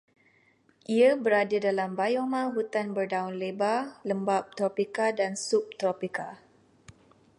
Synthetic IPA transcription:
ʔiabəɾadadalambajomãɦut̪anbərdaunlebaləmbap̚t̪ɾopikadansup̚t̪ɾopika

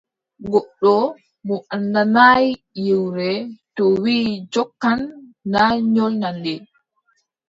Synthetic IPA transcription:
ɡɔɗːɔ | mɔʔandanaj | jiwɾɛtɔwiːd͡ʒɔkːanːaɲɔlnandɛ

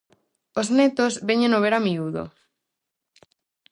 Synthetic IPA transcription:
oznɛt̪ozβeɲẽnoβ̞eɾamiuðo̰

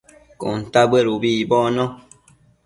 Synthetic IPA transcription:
kɔ̰n̩tabeɾubiːbɔnɔ

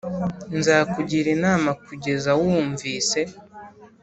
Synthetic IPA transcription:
nzaːkuɟiɾinaːmakuɟe̞zawuːɱviːse̞

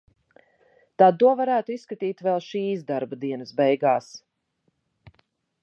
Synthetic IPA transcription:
t̪aːd̪̚t̪ːuɔvaɾæːt̪uisːkat̪iːt̪vɛlˠʃiːs̬d̪aɾbad̪iɛnəsbɛjɡaːs

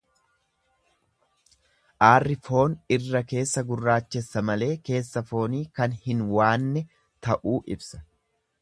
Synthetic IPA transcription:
ʔaːrːɪfo̞ːnɪrːɐke̞ːsːɐɡʊrːaːt͡ʃːɛsːɐmɐle̞ːke̞ːsːɐfo̞ːniːkɐnhɪnwaːnːɛ | t̪ɐʔuːʔɪ̰bsɐ̥

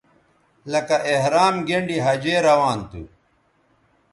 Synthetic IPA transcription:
lɐkɐʔeɦɾaːmɡeɳɖiɦɐd͡ʑeːɾɐwaːnt̪ṵ

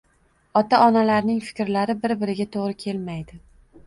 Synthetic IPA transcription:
ɒt̪ʰaʔɒnalaɾnɪŋfɪ̥kʲɾlaɾɪbɪɾbɪɾɪɡʲat̪ʰoʁɾɪkʲʰe̞lmajd̪̥ɪ

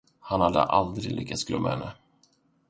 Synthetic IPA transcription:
hanhad̪ːə̰ʔald̪ɾɪɡlʏkːat̪sɡlœmːʔahɛnːə

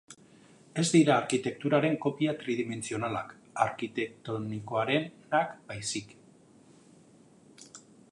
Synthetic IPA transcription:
e̞zd̪iɾaːɾkit̪e̞k̚t̪uɾaɾe̞ŋko̞piat̪ɾiðime̞nt͡sio̞nala̰k | aɾkit̪e̞k̚t̪o̞niko̞aɾe̞nakb̥ajsik

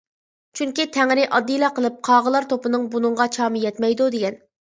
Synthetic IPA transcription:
t͡ʃʰyŋkʲit̪ʰæŋɾɪʔɑd̪ːijlˠɑqəlˠɨp̚qʰɑːʁəlˠɑɾt̪ʰopɨnɨŋbunɨŋʁɑt͡ʃʰɑːmɨjɛt̪mɛjd̪ud̪eɡʲɛn

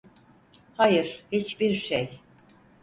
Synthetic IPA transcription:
hajɯɾ̥hit͡ʃbiɾʃej

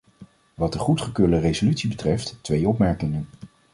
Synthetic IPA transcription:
ʋɑt̚dəχutχəkøːɹdərezolytsibətrɛftːʋejɔpmɛɹkɪŋən

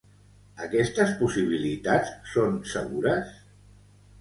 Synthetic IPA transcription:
əkɛst̪əspusiβ̞ilit̪at͡ssonsəɣuɾəs

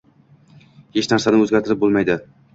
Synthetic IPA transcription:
het͡ʃnæɾsanɪɵzɡʲaɾt̪ʰɪɾɪp̚bolˠmajd̪ɪ

